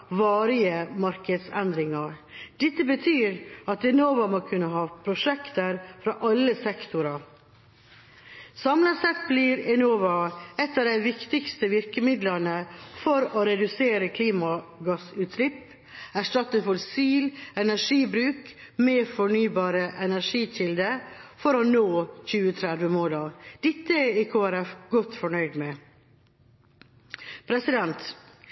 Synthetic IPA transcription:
ʋɑːɾɪəmɑɾkəd̪sɛnd̪ɾɪŋɑɾd̪̥ɛt̪ːəbət̪ʰyːɾɑt̪ɛnoːʋɑmoːkʰʉnːəɦɑːpʰɾʊʂɛkt̪əɾfɾɑʔɑlːəsɛkt̪ʰʊɾɑ | sɑmləsɛt̪̚blɪɾɛnoːʋɑɛt̪ːɑːʋd̪æɪʋɪkt̪ɪkst̪əʋɪɾkəmɪd̪lənəfɔɾoɾɛd̪ʉseːɾəkʰliːmɑɡɑsʉːt̪slɪp | æʂʈɑt̪ːəfɔlsiːlɛnæʂiːbɾʉːk | meːfɔɳyːbɑːɾəʔɛnæʂiːc͡çɪld̪əfɔɾɔnoːçʉːət̪ʰɾæd̪ʋəmoːlɑd̪̥ɪt̪ːəɪkʰoːæɾɛfɡɔt̪ːfɔɳœʏd̪mɛ | pʰɾɛsɪd̪ɛnt̪

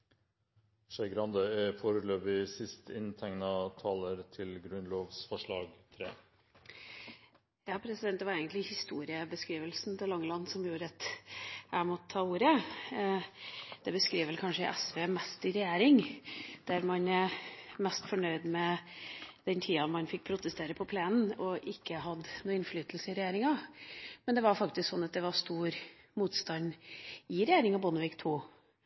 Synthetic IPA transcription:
ʂɛɡɾɑnd̪əfoːɾəløːbɪsɪst̪ʰɪnt̪ʰɛŋnɑt̪ʰɑːləɾt̪ʰɪlɡɾʉnloːʋsfɔʂɭɑːɡt̪ʰɾḛː | jɑːpʰɾɛsɪd̪ɛnt̪ːʋɑɾɛɪɡənt̪lɪhɪst̪uːɾɪəbəskɾiːʋəlsnt̪ʰɪlɑŋːəlɑnːsɔmjuːɾəɑt̪ | æmɔt̪ʰːɑːuːɾə | d̪̥ɛbəskɾiːʋɛlkʰɑnʂəʔɛsʋeːmɛst̪ɪɾɛjeːɾɪŋd̪̥æɾmɑn | mɛst̪fɔɳœʏd̪mɛ | d̪̥ɛnt̪ʰiːɑmɑnfɪk̚ːpʰɾʊt̪əst̪eːɾəpʰɔpʰleːnn̩ɔʔɪkːəhɑd̪nuːɪnflyːt̪lsəɪɾɛjeːɾɪŋɑmɛnd̪ɛʋɑɾfɑkt̪ɪsksɔnːɑt̪̚d̪ɛʋɑɾst̪uːɾ | muːt̪st̪ɑnɪɾɛjeːɾɪŋɑbɔnəʋɪkt̪ʰuː

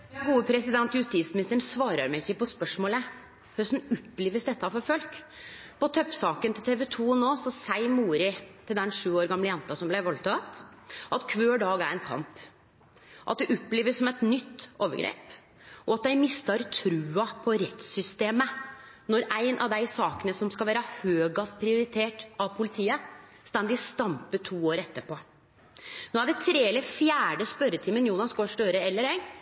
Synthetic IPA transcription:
jɑhuːʋəpʰɾɛsɪd̪ɛnt̪jʉst̪iːt̪smɪnɪst̪əɳsʋɑːɾəɾmæɪɪçːəpɔspœʂmoːlə | hœsnʊpːleːʋəsd̪ɛt̪ːɑfɔɾfœlk | pɔt̪ʰœpsɑːkənt̪ʰɪlt̪ʰeːʋɛt̪ʰuːnoːsɔsæɪmuːɾɪt̪ʰɪld̪ɛnʂʉːoːɾɡɑmləjɛnt̪ɑsɔmblæʋɑlt̪ʰɑt̪ʔɑt̪kʰʋøːɖɑːɡæɾɛɪnkʰɑ̰mp | ʔɑ̰t̪̚d̪ɛʔɔpːleːʋəssɔmɛt̪nʏt̪ːoːʋəɡɾḛːp | ʔɔɑt̪̚d̪æɪmɪst̪ɑɾt̪ʰɾʉːɑpʰɔɾɛt̪sʏst̪eːmə | nɔɾʔæɪnʔɑʋd̪æɪsɑːkənəsɔmskɑlʋæːɾəhøːɡɑst̪pʰɾɪʊɾɪt̪ʰeːʈɑʋpʰʊlɪt̪ʰiːə | st̪ænd̪ɪst̪ɑmpət̪ʰuːoːɾɛt̪ːəpʰɔ | noːæɖɛt̪ʰɾeːɛlːəfjæːɖəspœɾət̪ʰɪmːənjuːnɑnskoːʂʈ̪øːɾəɛlːəɾæɪ

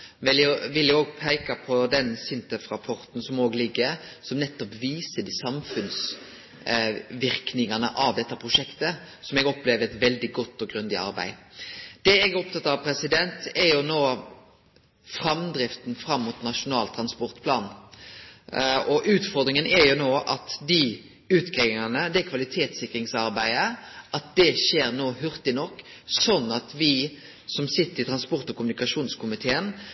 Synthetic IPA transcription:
ʋɪlʊʋɪljɛɡoːɡpʰæɪkɑpʰɔd̪ɛnsʏnt̪ɛfɾɑpʰɔɾt̪n̩sɔmoːɡlɪɡːəɾsɔmnɛt̪ːɔpʋiːsəɖiːsɑmfʉns | ʋɪɾknɪŋɑnə̰ʔɑʋd̪ɛt̪ːəpʰɾʊʂɛkt̪ə | sɔmɛɡɔpleːʋəɾɛt̪ʋɛld̪ɪɡɔt̪ːɔɡɾʉnd̪ɪɑ̰ɾbæ̰ɪd̪̥ɛɛɡæɾɔpt̪ɑt̪ːɑɑʋpʰɾɛsɪd̪ɛnt̪ɛɾjʊnoː | fɾɑmd̪ɾɪft̪n̩fɾɑmːuːt̪nɑʂʊnɑːlt̪ʰɾɑnspɔʁt̪pʰlɑːn | ɔʔʉːt̪fɔʁd̪ɾɪŋənɛɾjʊnoːʔɑt̪d̪ɪ | ʉːt̪ɡeːɪŋɑnəd̪ɛkʰʋɑlɪt̪ʰeːt̪sɪkɾɪŋsɑʁbæɪəʔɑt̪̚d̪ɛʃeːɾnoːɦʉʁt̪ɪnɔkː | sɔnːɑt̪ʰʋɪ | sɔmsɪt̪ːəɾɪt̪ʰɾɑnspɔʁt̪ɔkʊmʉnɪkɑʂuːnskʰʊmɪt̪ʰeːən

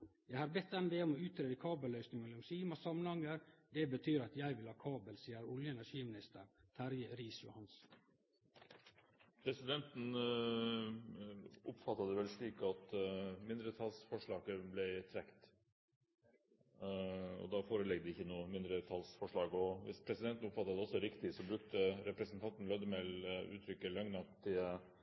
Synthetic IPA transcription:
jæɪhɑːɾbɛt̪̚ːd̪ɛnd̪ɛːɔmɔʉːt̪ɾeːd̪əkʰɑːbəlːœʏsnɪŋɛɪɔmsiːmɑsɑmːənhɑŋːəɾd̪ɛbət̪ʰyːɾɑt̪jæɪʋɪlhɑːkʰɑːbəlsiːəɾʊljəɛnæʂiːmɪnɪst̪əɾt̪ʰæɾjəɾiːsjʊhɑns | pʰɾɛsɪd̪ɛnt̪n̩ | ʔʊpfɑt̪ːɑd̪əʋɛlʂɭiːkɑt̪mɪnd̪ɾət̪ʰɑlsfɔʂɭɑːɡəblæɪt̪ʰɾɛkt̪ | ɔ̰d̪ɑfoːɾəlɛɡd̪əɪçːənuːəmɪnd̪ɾət̪ʰɑlsfɔʂɭɑːɡɔʋɪ̰spʰɾɛsɪd̪ɛnt̪n̩ʊpfɑt̪ːɑd̪ɛɔsːɔɾɪkt̪ɪsɔbɾʉkt̪əɾɛpɾɛsnt̪ʰɑnt̪n̩lɑd̪əmɛlʉ̰ːt̪ʰɾʏkːəlɑŋnɑt̪ʰːɪ

